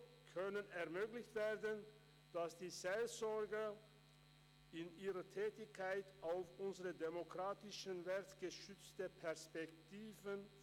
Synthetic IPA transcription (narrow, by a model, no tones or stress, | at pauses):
kʰœnənɛɐmøːɡlɪçtv̥eːɐdən | d̥asd̥iːzelzɔɐɡə | ɪniːʁətʰɛːtɪçkʰːaɪtaʊfʔʊnzəʁədemokʁ̥aːtɪʃənvɛɐtɡ̥əʃʏt͡stəpʰɛɐspɛk̚tʰiːvən